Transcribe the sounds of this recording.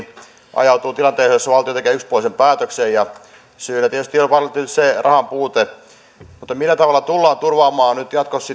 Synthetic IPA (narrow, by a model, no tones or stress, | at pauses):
ɑ̰jɑut̪uːt̪ilɑnt̪eːsejosːɑʋɑlt̪ijot̪ekeːykspuolisempæːt̪øksejjɑ | syːlæt̪iet̪yst̪ijopɑrt̪ːynyt̪serʔɑhɑmpuːt̪e | mut̪ːɑmilːæt̪ɑʋɑlːˑɑt̪ulːɑːnt̪urʋɑːmˑɑːnyt̪jɑt̪kossi